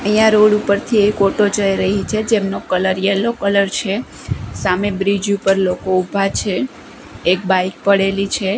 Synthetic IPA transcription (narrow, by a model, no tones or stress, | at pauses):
əjjãɾoɽupəɾt̪ʰiekoʈod͡ʒəiɾəɦit͡ʃʰed͡ʒemnokələɾjɛlokələɾt͡ʃʰe | samebɾid͡ʒupəɾlokoubʱat͡ʃʰeː | k̚bajk̚pəɽelit͡ʃʰe